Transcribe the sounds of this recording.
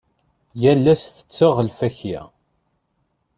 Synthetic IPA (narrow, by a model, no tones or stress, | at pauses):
jælːæsθə̥t͡sːəʁəlfæçæ̰